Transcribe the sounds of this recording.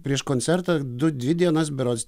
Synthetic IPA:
pʲɾʲiɛʃkonʲt̪sʲɛɾt̪ɐd̪ʊd̪ʲʋʲɪd̪ʲiɛnɐs̬bʲɪɾoːt̪sʲ

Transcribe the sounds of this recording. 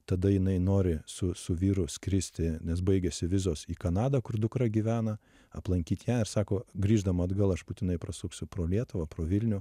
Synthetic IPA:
t̪ɐd̪ɐjɪnɐɪnoːɾʲɪsʊsʊʋʲiːɾʊsʲkɾʲɪsʲt̪ʲɪnʲɛsbɐɪɡʲɛsʲɪʋʲɪzoːsiːkɐnɑːd̪ɐkʊrd̪ʊkɾɐɡʲiːʋʲæːnɐ | ɐplˠɐŋʲkʲiːt̪ʲjæːɪɾsɑːkoːɡɾʲiːʒd̪ɐmɐɐd̪ɡɐlˠɐʃbuːt̪ʲɪnɐɪpɾɐsʊksʲʊpɾoːlʲiɛt̪ʊʋɐpɾoːʋʲɪlʲnʲʊ

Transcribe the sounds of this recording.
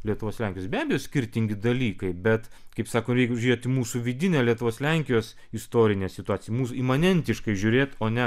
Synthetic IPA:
lʲiɛt̪ʊʋoːslʲɛˑŋʲkʲɪjoːsbʲæːbʲɛjoːsʲkʲɪɾʲt̪ʲɪŋʲɡʲɪd̪ɐlʲiːkɐɪbʲɛt̪kɐɪpsɑːkoɾʲɛɪkʒʲʊɾʲeːot̪ʲimuːsuʋʲɪd̪ʲɪnʲɛːlʲiɛt̪ʊʋoːslʲɛŋʲkʲɪjoːs | ɪst̪oːɾʲɪnʲɛːsʲɪt̪ʊɑːt͡sʲɪjɛmuːsʊiːmɐnʲɛnʲt̪ʲɪʃkɐɪʒʲʊɾʲeːt̪oːnʲɛ

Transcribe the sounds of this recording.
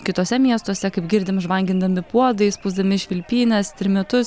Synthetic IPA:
kʲɪt̪oːsʲɛmʲiɛst̪oɔsʲɛkɐɪpɡʲɪɾʲd̪ʲɪmʒʋɐŋʲɡʲɪnd̪ɐmʲɪpuɔd̪ɐɪspʊzd̪ɐmʲɪʃʲʋʲɪlʲpʲiːnʲɛst̪ʲɾʲɪmʲɛt̪ʊs

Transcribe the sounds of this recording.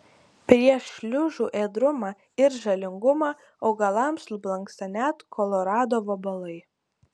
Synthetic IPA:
pʲɾʲiɛʃʲlʲʊʒuːʔeːd̪ɾʊmɑː | ɪɾʒɐlʲɪŋɡʊmɑː | oʊɡɐlˠɑmslʊblˠɐŋksɐnʲæːt̪kʰɔlˠɔɾɑːd̪oːʋobɐlˠɐɪ

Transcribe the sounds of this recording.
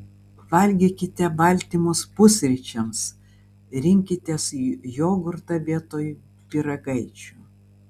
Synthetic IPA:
ʋɐlʲɡʲikʲɪt̪ʲɛbɐlʲt̪ʲimʊspʊsʲɾʲɪt͡ʃʲɛms | ɾʲɪŋʲkʲɪt̪ʲesjoːɡʊɾt̪ɐbʲeɛt̪oːjʊ | pʲɪɾɐɡɐɪt͡ʃʲʊˑ

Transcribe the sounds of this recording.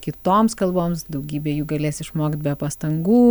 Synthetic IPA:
kʲɪt̪oːmskɐlˠboːmsd̪ɐʊɡʲiːbʲeːjuːɡɐlʲeːsʲɪʃmoːkʲɪt̪̚bʲɛpɐst̪ɐŋɡuː

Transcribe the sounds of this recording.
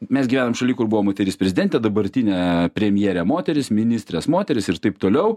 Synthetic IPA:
mʲɛsɡʲiʋʲæːnoːmʃɐlʲiːkʊrbuʋoːmoːt̪ʲɛɾʲiːspʲɾʲɛzʲɪd̪ʲɛnʲt̪ʲɛd̪ɐbɐɾʲt̪ʲinʲɛːpʲɾʲɛmʲjeːɾʲɛmoːt̪ʲɛɾʲɪsmʲɪnʲist̪ʲɾʲeːsmoːt̪ʲɛɾʲɪsɪɾt̪ɐɪpt̪oːlʲɛʊ

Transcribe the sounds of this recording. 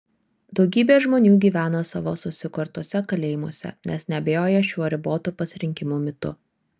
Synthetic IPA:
d̪ɒʊɡʲiːbʲeːʒmoːnʲuːɡʲiːʋʲæːnɐsɑʋoːsʊsʲɪkɔɾt̪uɔsʲɛkɐlʲeːjɪmuɔsʲɛ̰nʲɛsnʲɛɐbʲejoːjɛʃʲuɔɾʲɪboːt̪uːpɐsʲɪɾʲɪŋʲkʲɪmuːmʲɪt̪ʊ̰

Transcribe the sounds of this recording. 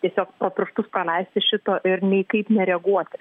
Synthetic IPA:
t̪ʲiɛsʲoːkpɾoːpʲɾʲʊʃt̪ʊspɾɐlʲɛɪsʲt̪ʲɪʃʲɪt̪oːʔɪɾnʲɛɪkɐɪpnʲɛɾʲɛɡuɔt̪ʲɪ

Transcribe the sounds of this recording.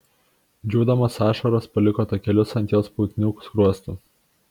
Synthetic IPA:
d͡ʒʲuːd̪ɐmɐsɑːʃɐɾospɐlʲɪkɔːt̪ɐkʲɛlʲʊsɐnʲt̪ʲoːspuːt̪ʲnʲʊkʊ̥skɾuɔst̪ʊ

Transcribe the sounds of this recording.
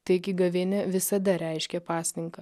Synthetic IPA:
t̪ɐɪɪkʲɪɡɐʋʲɪnʲɛʋʲɪsɐd̪ɐɾʲɛɪʃʲkʲɛpɑːsʲnʲɪŋkɐ

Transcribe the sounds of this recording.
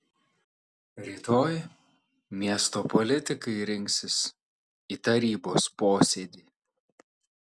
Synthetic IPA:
ɾʲiːt̪oːj | mʲiɛst̪oːpɔlʲɪt̪ʲɪkɐɪɾʲɪŋʲksʲɪs | iːt̪ɐɾʲiːboːspoːsʲeːd̪ʲiː

